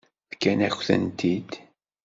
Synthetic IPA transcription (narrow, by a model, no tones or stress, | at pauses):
fkːænæçθə̰nt̪id̪̥